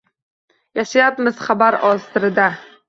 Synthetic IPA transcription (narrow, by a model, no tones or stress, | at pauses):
jaʃajapmɪz̥χabaɾɒst̪ɪɾɪd̪a